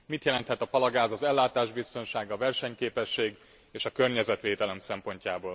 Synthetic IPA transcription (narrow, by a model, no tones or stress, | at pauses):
mit̪jɛlɛnt̪hɛt̪ɒpɒlɒɡaːzɒzɛlːaːt̪aːʒbist̪o̞nʃaːɡɒvɛrʃɛɲkeːpɛʃːeːɡ | eːʃɒkørɲɛzɛt̪ʋeːt̪ɛlɛmsɛmpo̞ɲcaːboːl